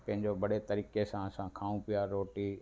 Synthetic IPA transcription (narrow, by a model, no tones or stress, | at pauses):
pɐ̃ɦɪɲd͡ʑobɐɽet̪ɐɾiːkesãɐsãkʰaːũpɪjaɾoːʈi